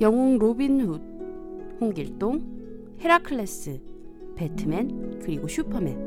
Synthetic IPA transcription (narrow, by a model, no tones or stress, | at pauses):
jʌŋoŋɾobinhud̚ | hoŋɡiɭt͈oŋ | heɾakʰɯɭːes͈ɯ | petʰɯmenkɯɾiɡoɕʰupʰʌmḛn